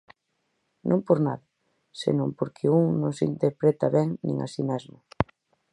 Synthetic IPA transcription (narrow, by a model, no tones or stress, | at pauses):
nʔõmpoɾnaða | sḛnõmpoɾkʰeuŋnõŋsint̪eɾpɾɛt̪aβɛŋnḭ̃ŋa̰simɛzmʊ